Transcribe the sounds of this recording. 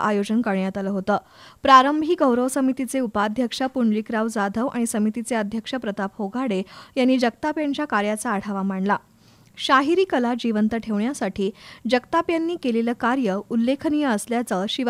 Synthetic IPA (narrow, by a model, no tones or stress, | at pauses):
ʔajod͡ʑənkəɾɳjat̪ələɦot̪əː | pɾaɾəmbʱiːɡəwɾəʋsəmit̪it͡seupad̪ʱjəkʂapuɳlikɾaʋd͡zad̪ʱəʋʔa̰ɽ̃isəmit̪it͡seəd̪ʱjəkʂəpɾət̪apɦoɡʱaɽejanːiːd͡ʑək̚t̪apjaɲt͡ɕjakaɾjat͡saːɽ̤ʰaʋam̤aɳla | ɕaɦiɾiːkəlad͡ʑiʋənt̪əʈʰeʋɳjasaʈʰiːd͡ʑəkt̪apjanːiːkeleləːkaɾjəulːekʰənijəəsljat͡səɕiʋ